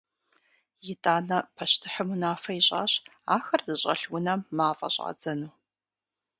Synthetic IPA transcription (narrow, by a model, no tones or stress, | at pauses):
jɪtʼaːnɐpʰɐʃtʰɨħəmunaːfɐiɕʼa̰ːɕ | aːxɐrzɨɕʼɐ̰ɬwʊnɐmmaːfʼɐ̰ɕʼa̰ːd͡zɐnuː